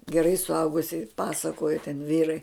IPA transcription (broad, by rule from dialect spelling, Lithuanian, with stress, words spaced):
ɡʲɛˈrɐɪ sʊˈɐʊɡʊsʲɪ ˈpɑːsɐkoːjɛ tʲɛn ˈʋʲiːrɐɪ